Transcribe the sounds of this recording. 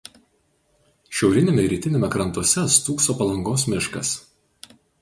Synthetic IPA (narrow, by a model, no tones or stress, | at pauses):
ʃʲɛʊɾʲɪnʲemʲɛɾʲiːt̪ʲɪnʲeːmʲɛkɾɐnt̪uɔsʲɛst̪uːksoːpɐlˠɐŋɡoːs̬mʲɪʃkɐs